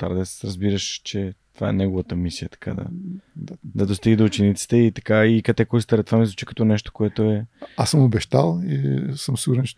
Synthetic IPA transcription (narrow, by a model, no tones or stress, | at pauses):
t̪a̰ɾd̪ɛsɾɐzbiɾəʃt͡ʃɛt̪ova̰ɛ̰nɛɡovɐt̪əmisijət̪ɐ̥ka̰d̪ɐ̰ | d̪ɐd̪ost̪iɡid̪oːt͡ʃɛnit̪si̥t̪ɛit̪ɐ̥kaikɐt̪ɛkɔjst̪ɐɾɐt̪vamizvut͡ʃi̥kɐ̥t̪ɔnɛʃt̪o̥koɛt̪oɛasəmobɛʃt̪alˠḭsəmsiɡuɾɛnt͡ʃɛ